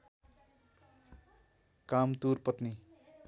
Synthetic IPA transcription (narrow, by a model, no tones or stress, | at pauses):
kamt̪urpʌt̪ni